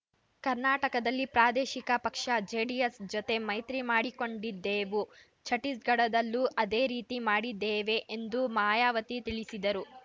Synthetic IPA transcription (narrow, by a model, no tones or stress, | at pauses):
kɐɾnaːʈɐkɐd̪ɐlːipɾaːd̪eːʃikɐpɐkʂɐd͡ʒeːɖijesd͡ʒot̪e̞mɐjt̪ɾimaːɽiko̞ɳɖid̪ːeːʋu | t͡ʃʰɐʈisɡɐɽɐd̪ɐlːuʔɐd̪eːɾiːt̪imaːɽid̪ːeːʋe̞ʔend̪umaːjaːʋɐt̪it̪iɭisid̪ɐɾu